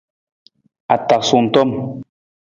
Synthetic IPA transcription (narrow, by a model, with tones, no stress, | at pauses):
a˨ta˨ksu˨n̩˨tɔ˦m